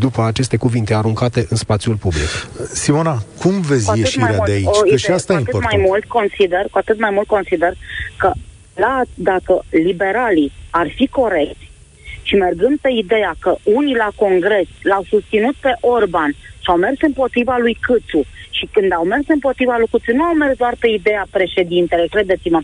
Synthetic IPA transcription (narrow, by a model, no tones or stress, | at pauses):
d̪upəat͡ʃe̞st̪e̞kuvint̪e̞aɾuŋkat̪e̞ʔɨnspat̪sjulpublḭksimo̞nakumve̞t̪zʲajeɨʃiɾeaud̪eaiot͡ʃjʃast̪aeɨmajmult̪̚ko̞nsid̪e̞rkuat̪ɨt̪majmult̪̚ko̞nsid̪e̞rkə | lad̪akəlibe̞ɾaliarfiko̞ɾe̞kt̪sʲ | ʃime̞rɡɨnd̪̚pe̞id̪e̞jakəunilako̞ŋɡɾe̞slawsust̪sinut̪̚pe̞ʔo̞rbanʃiawme̞rsɨmpo̞t̪ɾivalujkɨt̪suʃikɨnd̪awme̞rsɨmpo̞t̪ɾivalujkɨt̪sunuawme̞rsd̪oarpe̞id̪e̞japɾe̞ʃe̞d̪int̪elo̞jkɾe̞d̪e̞t̪simə